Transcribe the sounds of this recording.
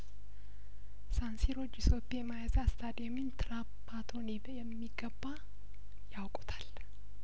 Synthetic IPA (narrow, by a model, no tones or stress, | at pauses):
sansiɾo̞t͡ʃːisopʼːamajazast̪ʰad̪ɛmint̪ʰɨɾapʰːat̪ʰo̞nibjɛmːiɡəbːa | jawkʼɔ̥t̪ʰḁl